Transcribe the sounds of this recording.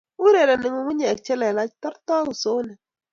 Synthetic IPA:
u˦ɾe˨la˨nɪ˨ŋu˨˦ŋʷu˦ɲe˨k̚t͡ʃɛ˦la˨la˦tɔ˦ɾt̪ɔ˦u˨so˨˦nɛ˨

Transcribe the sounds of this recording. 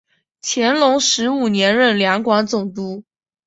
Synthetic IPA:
t͡ɕʰjɛ˧˥nlʊ˧˥ŋʂɻ̩˧˥u˨˩njɛ˧˥nɻə˥˩nljɑ˧˥ŋkwɑ˧˥nt͡sʊ˨˩ŋt̪u˧˥

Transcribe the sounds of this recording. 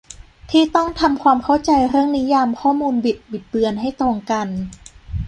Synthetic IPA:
t̪ʰiː˥˩t̪ɔ˥˩ŋt̪ʰa˧mkʰwaː˧mkʰa˥˩wt͡ɕa˧jɾɯ˥˩əŋni˦˥jaː˧mkʰɔː˥˩muː˧nbi˨˩t̪̚bi˨˩t̪̚bɯ˧ənɦa˥˩jt̪ɾoː˧ŋka˧n

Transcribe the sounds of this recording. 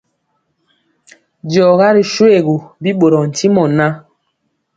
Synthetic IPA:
d͡ʒɔ˨ɣa˦ɾi˨ʃwe˨ɣu˨bi˦ɓo˨ɾɔ˨n̩˨ti˦mɔ˨na˦

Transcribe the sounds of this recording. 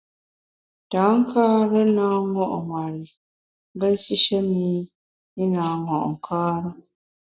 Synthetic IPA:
ta˨˦ŋ̩˦kaː˦ɾə˦na˦ŋɔ˦ʔŋwa˨ɾi˨˦ | bə˦si˦ʃɛ˦mi˦ | i˦naː˨˦ŋɔ˨ʔŋ̩˨kʰaː˦ɾə˦

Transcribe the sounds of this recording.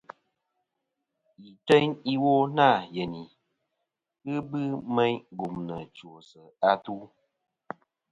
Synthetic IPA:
i˨tɛ˦ɲi˦wo˦na˦˨je˨ni˨ | ɨ˦bɨ˦mɛ˦ɲɡu˨mnə˨t͡ʃo˨sə˨a˦tu˦

